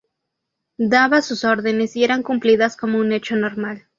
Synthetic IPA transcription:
d̪aβasuso̞ɾðe̞ne̞sie̞ɾaŋkumpliðasko̞mo̞une̞t͡ʃo̞no̞ɾmal

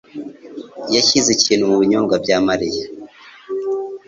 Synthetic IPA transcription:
jaçizeciːn̤humuβiɲoːŋɡabɟaːmaɾija

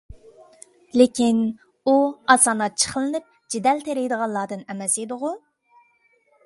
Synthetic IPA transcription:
lɪkʲin | uɑsɑːnɑt͡ʃʰə̥χəlˠɨnɨp̚ | d͡ʒid̪ɛlt̪ʰeɾɪjd̪əʁɑnlˠɑːd̪ɨnɛmɛsed̪ʊʁʊ

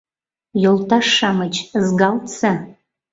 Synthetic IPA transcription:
joltʰaʂamat͡ʃʰzɡalt͡sʰa

